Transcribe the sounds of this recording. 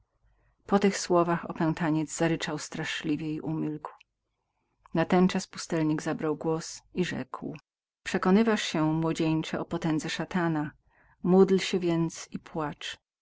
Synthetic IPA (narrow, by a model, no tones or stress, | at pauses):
pɔt̪ɘxswɔvaxɔ̰pɛw̃t̪aɲɛd̪zzaɾɘt͡ʂawst̪ɾaʂlʲivʲjɛiʔumʲilkw | nat̪ɛnt͡ʂaspu̥st̪ɛlɲiɡzabɾawɡwɔsiʐɛ̰kw | pʂɛkɔnɘvaʂɕɛmwɔd͡ʑeɲt͡ʂɛɔpɔt̪ɛnd̪zɛʂat̪ana | mud̪lɕɛvʲjɛnt̪sipwat͡ʂ